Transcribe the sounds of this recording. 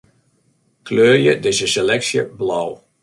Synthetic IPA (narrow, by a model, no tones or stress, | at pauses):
kløːrjədɪsəselɛksjə̰blɔw